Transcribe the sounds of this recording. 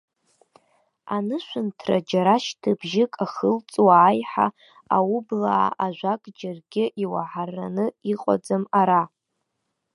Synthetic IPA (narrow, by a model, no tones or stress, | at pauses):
anɨʃʷʊntʰrad͡ʒaɾaʃtʰɨbʒɪkʼaχəlt͡sʼwaːjħa | awublaʕa̰ʔaʒʷakʼd͡ʒarɡʲɪʔiwaħarːa̰nɨiqʼa̰d͡zamaɾa